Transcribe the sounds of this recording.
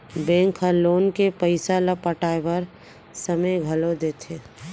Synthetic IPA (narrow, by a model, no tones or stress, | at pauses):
bẽːŋkʰəloːnkepəɪsalapəʈaːepəɾ | səməjɡʱɐlod̪eːt̪ʰeː